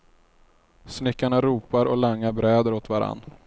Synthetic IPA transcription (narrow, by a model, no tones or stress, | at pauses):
snɪkːaɳaɾuːpaɾɔlaŋːabɾɛːd̪əɾot̪vaɾa̰nː